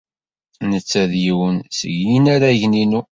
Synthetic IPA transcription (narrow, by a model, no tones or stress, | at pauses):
nət͡sːæðjiwənsə̰ʝinaɾaʝninu